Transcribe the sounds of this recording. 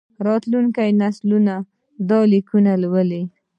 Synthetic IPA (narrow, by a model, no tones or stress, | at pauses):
ɾɑt̪luŋkajnasluna | d̪ɑlikunalwəli